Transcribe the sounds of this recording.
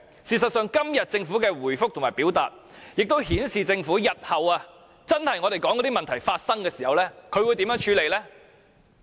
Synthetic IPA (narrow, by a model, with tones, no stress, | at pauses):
siː˨sɐ˨t̚sœː˨ŋkɐ˥mjɐ˨t̚t͡sɪ˧ŋfuː˨˥kɛː˧wuː˨˩jfʊ˥k̚t̪ʰʊ˨˩maː˨˩pi˨˥wt̪a̰ː˨t̚ | jɪ˨k̚t̪o˥whiː˨˥nsiː˨t͡sɪ˧ŋfuː˨˥jɐ˨t̚hɐ˨waː˧ | t͡sɐ˥nhɐ˨jŋɔ˨˧ɾe˨jkɔː˨˥ŋɔ˨˥t̪i˥mɐ˨nt̪ʰɐ˨˩jfaː˧t̚sɐ˥ŋkɛː˧siː˨hɐ˨wlɛː˥kʰɵ˧ɥwuː˨˧t̪i˨˥mjœː˨˥ŋt͡ʃʰyː˨˥le˨˧jlɛː˥